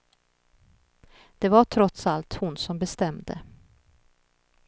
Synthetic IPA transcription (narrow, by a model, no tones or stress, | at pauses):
d̪̥ɛvaʈʰɾɔt̪salt̪hʊnsɔmbɛst̪ɛmd̪ə̰